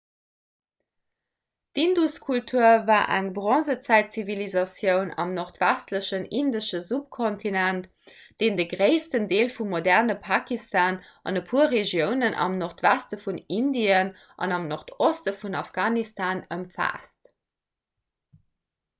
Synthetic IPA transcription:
d̥induskʰultʰuɐvaːʔæ̰ŋbʁɑ̃ːzət͡sæɪtt͡sivilizɑsjəʊnɑ̰mnoʁtvæstləɕənindəʃəzup̚kʰontʰinænt | d̥eːndəɡʁeɪstəndeːlfumːodæʁnəpʰakistʰɑːn | ʔɑ̰nəpʰuɐʁeʒjəʊnənʔɑ̰mnoχtv̥æstəfunindiən | ʔɑ̰nɑmnoχtostəfunɑfɡ̥aːnistʰaːnəmfa̰ːst

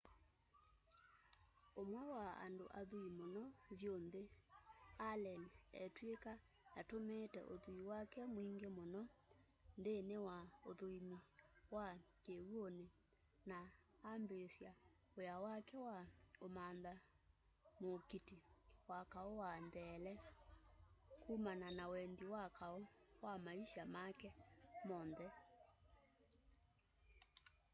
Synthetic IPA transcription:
omwɛwaa̰ndoʔa̰ðuimonɔβjonðe | alɛniɛ̰tweka | atometɛ̰ʔoðuiwakɛmwiŋɡemonɔ | ndenewaoðoimiwa | kewone | naː | mbesja | ojawakɛwaomanða | mokitiwakaowandɛːlɛ | kumananawɛndiwakaowamaiʃamakɛmɔndɛ

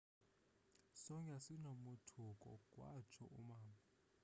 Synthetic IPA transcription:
sɔŋasinomutʰukʼɔ̰kʼwa̰t͡ʃʰɔ̰ʔṵmaːma

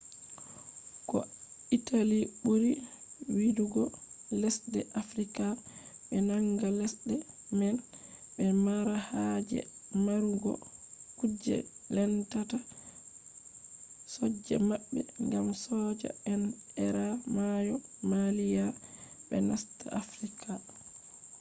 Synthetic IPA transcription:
kɔ̰italiɓuɾiwiduɡɔlɛsdɛʔafɾikaɓɛnaŋɡalɛsdɛ | mɛn | bɛmaɾahad͡ʒɛ̰maɾuɡɔ̰kud͡ʒːɛ̰lɛntata | sɔd͡ʒːɛ̰maɓːɛŋɡamsɔd͡ʒa̰ɛnɛɾamajɔmalijaɓɛ̰nastaʔafɾikʰa

